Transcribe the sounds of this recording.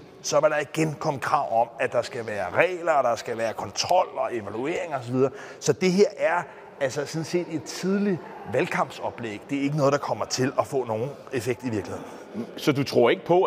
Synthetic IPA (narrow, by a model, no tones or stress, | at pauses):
sɒ̽ʋɑɾ̥ɑ̈iɡ̥enkʰɒ̽m̰əkʰʁɑ̈ʊ̰ɒ̽mæd̥ɑ̈sɡ̥æʋæːɐʁɛ̰ːlɐd̥ɑ̈sɡ̥æʋæːɐkʰɒ̽nt͡sʰʁɒ̽l̰ɒ̽e̝ʋælue̝̰ɐ̰eŋɒ̽s̬ɒʋið̞ˠɐː | sɒ̽d̥e̝ɦe̝ɐ̰ʔæɐ | ælsɐsɔ̽n̩se̝̰ːd̥e̝d̥t͡sʰið̞ˠli | ʋælkʰɑ̈m̰b̥sɒ̽b̥leɡ̥d̥e̝æɐe̝ɡ̥ənɔ̽ːðˠd̥ɑ̈kʰɒ̽m̰ɐt͡sʰe̝lɒ̽fɔ̰̽ːno̝ːn̩ | e̝feɡ̥̚d̥iʋiɐɡ̥lihe̝ð̰ˠn̩ | sɒ̽d̥ut͡sʰʁo̝ɐ̰e̝ɡ̥əpʰɒ̽